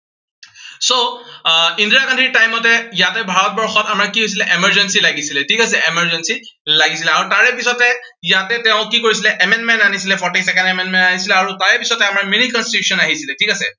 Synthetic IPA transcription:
so | indiakandʰʱiɹtajmɔtɛjatɛbʱaɹɔt̚bɔɹxɔtamaɹkiɦojs̬ilɛʔemɛɹd͡ʒɛnsilaɡisilɛtʰikasɛemɛɹd͡ʒɛnsi | laɡisilɛaɹutaɹɛpisɔtɛ | jatɛteʊ̃kikoɹisilɛʔemɛndmɛntanisilɛpʰɔɹʈisɛkɛnɛmɛnmɛntanisilɛaɹutaɹɛpisɔtɛamaɹminikɔnstitusɔnaɦisilɛtʰikasɛ

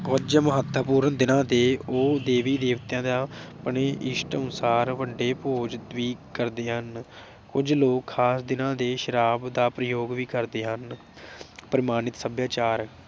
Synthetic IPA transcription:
ʊd͡ʒməɦət̪ʰːəpuːɾənd̪ɪnãːd̪eːoːd̪eːʋiːd̪eːʋt̪jãːd̪aːpəɳeːʔɪʃʈənsaːɾʋəɖeːpoːd͡ʒʋiːkəɾd̪eːɦən | kʊd͡ʒloːkʰːaːsd̪ɪnãːd̪eːʃəɾaːbd̪aːpɾəjoːɡʋiːkəɾd̪eːɦən | pəɾɪmaːnɪt̪səbjaːt͡ʃaːɾ

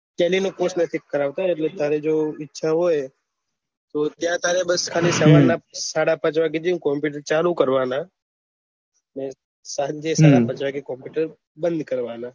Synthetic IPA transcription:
pɛːlinokosnət̪ʰɪkːəɾaːʋt̪aeʈlet̪ʰaːɾed͡ʒoːɪtːʃʰaɦoːe | t̪oːt̪jãt̪ʰaːɾebəskʰaːlisaːmaːlnasaːɽapət͡ʃʋaked͡ʒ̪iũkompjuːʈəɾt͡ʃaːlukəɾʋaːna | nẽ | sad͡ʒesaːɽapət͡ʃʋakekompjuʈəɾ | bə̃nd̪kəɾʋaːnãː

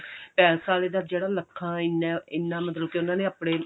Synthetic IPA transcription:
pɛːlsaːleːd̪aːd͡ʒeːɽaːləkʰːãːɪneːɪnːãːmət̪ləb̚keʊnãːnẽːəpɽ̃eː

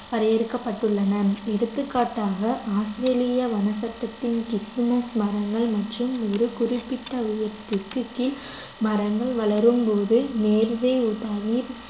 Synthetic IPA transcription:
pɐɾɐjɐɾɯkːɐpːɐʈːɯɭːɐnɐɛɽɯt̪ːɯkːaːʈːaːɣɐʔaːsɾeːlɪjɐʋɐnɐsɐt̪ːɐt̪ːɪnkɪsɯmɐsmɐrɐŋɡɐɭmɐʈrɯmɔɾɯkʊrɪpːɪʈːɐʊjɐɾt̪ɪkːɯkːɪl | mɐɾɐŋɡɐɭʋɐɭɐɾɯmpoːðɯneːɾʋeːut̪aːʋiːɾ

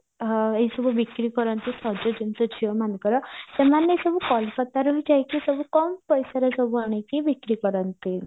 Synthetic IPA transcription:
eisɔbubikɾikɔɾʌnt̪ʰisʌd͡ʒod͡ʒinsɔt͡ʃʰijomankɔɾɔsemanesʌbukɔlpʰɔt̪aɾuɦid͡ʒajkisʌbukɔmpʌjsaɾʌsʌbuaɽ̃ekebikɾikɔɾʌnt̪ʰi

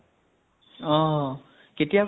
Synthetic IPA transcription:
ɔ̃ | ketijak

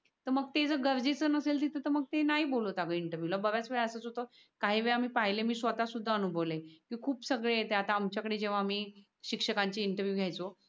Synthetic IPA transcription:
t̪əɾməɡ̚t̪ed͡zəɡəɾd͡zet͡sənəselt̪it̪ət̪əɾməɡ̚t̪enaɦiːbolot̪aɡəiɳʈəɾʋjulabəʋjat͡sʋeɭəsət͡sɦot̪ə | kaɦiːʋeɭam̤iːpaɦjlemiːsʋət̪asud̪ʱːaənubʱəʋlekĩkʰuːpsəɡɭeet̪eat̪aːmt͡ɕjakəɽed͡ʑeʋ̤aːm̤iː | ɕikʂəkaɲt͡ɕeiɳʈəɾʋjuɡʱjajt͡so

